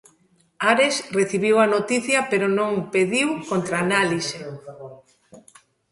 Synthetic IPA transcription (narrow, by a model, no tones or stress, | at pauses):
aɾesreθiβiwɐnot̪iθjɐpeɾonõŋpeðiwkont̪ɾanalise